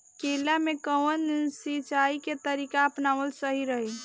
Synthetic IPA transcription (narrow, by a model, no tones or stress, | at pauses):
kelːamekəwənsit͡ʃaiket̪əɾikaəpnaʋəlsəɦiɾəɦi